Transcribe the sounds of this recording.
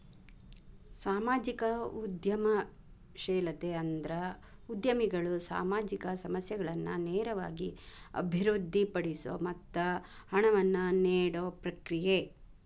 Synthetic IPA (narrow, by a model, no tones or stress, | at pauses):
saːmaːd͡ʒikɐud̪jɐmɐ | ʃɛːlɐt̪eɐnd̪ɾɐud̪jɐmiɡɐɭusa̰ːmaːd͡ʒikɐsɐmɐsjɐɡɐɭɐnːuneːɾɐʋa̰ːɡiɐ̰bʱiɾud̪ʱːipɐɽiso̰mɐt̪ːɐ | hɐɳɐʋɐnːuneːɽoːpɾɐkɾije